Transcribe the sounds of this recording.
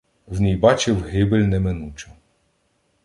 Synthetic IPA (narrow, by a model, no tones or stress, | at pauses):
vnʲijbat͡ʃɪwɦɪbɘlʲnɛmɛnut͡ʃɛ